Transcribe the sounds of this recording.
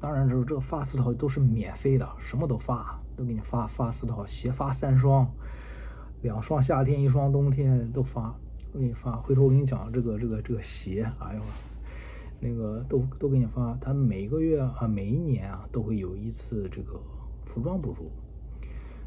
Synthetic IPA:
t̪ɑ˥ŋɻa˧˥nʈ͡ʂʈ͡ʂɤ˥˩ɡə˩fa˥sɹ̩ʰ˥˩˨ʊt̪o˥ʊʂ̬ɻ̩˥˩mjɛ˨˩nfe˥ɪd̪ə̰˨ʂə˧˥mə˧t̪̬o˥ʊfa˥t̪o˥˧kʰə˧˥˩ni˨˩fa˥fa˥sɹ̩˥˩t̪ʰɑ˨˩ʊɕjɛ˧˥fa˥sa˥˧nʂ̬wɑ˥ŋ | ljɑ˨˩ŋʂwɑ˥ŋɕ̬ja˥˩t̪ʰjɛ˥ni˥˩ʂ̬wɑ˥ŋt̪̬ʊ˥ŋt̪ʰjɛ˥nt̪o˥ʊfa˥ | kkni˨˩fa˥xwe˥˧ɪt̪ʰo˥˧li˥ŋt͡ɕjɑ̰˨˩ŋ˦ʈ͡ʂɤ˥˩ɡə˩ʈ͡ʂɤ˥˩ɡə˩ʈ͡ʂɤ˥˩ɡə˩ɕjɛ˧˥xa˧˥ɪjo˨˩ʊ˩ | na˥˩ɡə˩t̪o˥ʊt̪o˥ʊkʰə˥˩ni˨˩fa˥t̪ʰa˥me˨˩ɪ˥ɡə˧ɥɛ˥˩ə˧me˨˩ɪi˥njɛ˧˥nɐ˧t̪o˥ʊxwe˥˩ɪjo˨˩ʊi˧˥t͡sʰɹ̩˥˧ʈ͡ʂɤ˥˩ɡə˩ | fu˧˥ʈ͡ʂwɑ˥ŋpu˧˩ʈ͡ʂu˥˩

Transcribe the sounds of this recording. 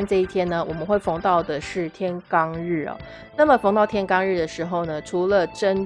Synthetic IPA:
nʈ͡ʂɤ˥˧i˥˩t̪ʰjɛ˥nə˨wɔ˨˩mə˦nxwe˥˩ɪfɑ˧˥ŋt̪ɑ˥˩ʊd̪ə˩ʂɻ̩˥˩t̪ʰjɛ˥nkɑ˥ŋɻ̩˥˩ɐ̰˩ | na˥˩mə˩fɑ˧˥ŋt̪ɑ˥˧ʊt̪ʰjɛ˥nkɑ˥ŋɻ̩˥˩d̪ə˩ʂɻ̩˧˥xo˥˧ʊnə˩ʈ͡ʂʰu˧˥lə˨ʈ͡ʂə˥n

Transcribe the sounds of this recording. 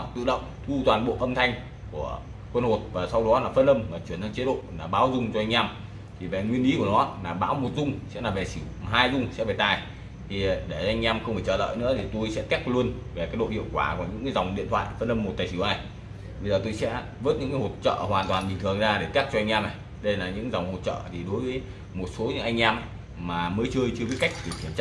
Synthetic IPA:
t̪ɨ̰˧˨ɗə̰˧˨wŋ͡mt̪ʰu˧t̪waː˨˩nɓo̰˧˨ʔə˧mt̪ʰa˧jŋ̟ | ku˧˩ə | kwə˧nho˨˩t̚vaː˨˩sa˧wɗɔ˨˦laː˨˩fə˧nʔə˧mmaː˨˩t͡ɕwi˧˩ənː˧t͡ɕe˨˦ɗo̰˧˨laː˨˩ɓaː˨˦wzʊ˧ŋ͡mt͡ɕɔ˧ʔa˧jŋ̟ʔaː˧m | t̪ʰi˨˩ve˨˩ŋwi˧ənʔi˨˦ku˧˩ənɔ˨˦laː˨˩ɓaː˨˦wmo˨˩t̚zʊ˧ŋ͡msɛ̰˧˥laː˨˩ve˨˩si˨˧˩wɦaː˧jzʊ˧ŋ͡msɛ̰˧˥ve˨˩t̪aː˨˩j | t̪ʰi˨˩ɗe˧˩ɔ˧ʔjŋ̟ʔaː˧mxə˧ŋ͡mmʰfʰiː˧˩t͡ɕəː˧˩lə̰ː˧˨jnɨ̰˧˥ət̪ʰi˨˩t̪o˧jsɛ̰˧˥k̪ɛ˦˥k̚lu˧ənve˨˩kaː˦˥k̚ɗo̰˧˨hḭ˧˨əwkwaː˧˩ku˧˩əɲɨ̰˧˥ŋkaː˨˦za˨˩wŋ͡mɗḭ˧˨nt̪ʰwa̰ː˧˨jfə˧nə˧mːo˨˩t̚t̪aː˨˩si˧˩˦wʔaː˧j | ɓə˧zəː˨˩t̪o˧jsɛ̰˧˥ | vəː˦˥t̚ɲɨ̰˧˥kaː˨˦ho˨˩t̚t͡ɕə̰ː˧˨hwaː˨˩nt̪waː˨˩nɓi˨˩ŋ̟t̪ʰəŋzaː˧ɗe˧˩t̪ɛ˦˥t̚t͡ɕɔ˧a˧ŋ̟ʔɛː˧mna˨˩j | ɗə˧jlaː˨˩ɲɨ̰˧˥ŋza˨˩wŋ͡mho˨˩t̚t͡ɕə̰ː˧˨t̪ʰi˨˩ɗo˨˦jvəː˨˦j | mo˨˩t̚so˨˦ɲɨ̰˧˥ŋʔa˧jŋ̟ʔɛː˧ma˨˩ | mːaː˨˩məː˨˦jt͡ɕəː˧jt͡ɕɨ˧ə˧vi˨˦jka˦˥jk̚t̪ʰi˨˩ki˧˩ənt͡ɕa˦

